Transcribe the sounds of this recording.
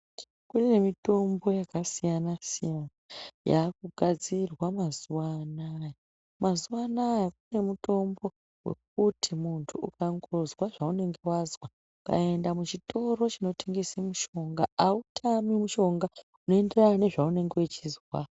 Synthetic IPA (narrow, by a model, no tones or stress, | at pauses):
kune̞mito̞mbo̞jakasijanasijanaja̰ːk̚uɡʱad͡zirwamazuwanaja | mazuwanajak̚une̞muto̞mbo̞ | we̞̰k̚utʰimuntʰuʔukaŋɡo̞zwaʐaune̞ŋɡe̞wazwa | ka̰e̞ndamut͡ʃito̞ɾo̞t͡ʃino̞teŋɡisimuʃo̞ŋɡaautʰamimuʃo̞ŋɡa | uno̞ende̞ranane̞ʐaune̞ŋɡewet͡ʃizwa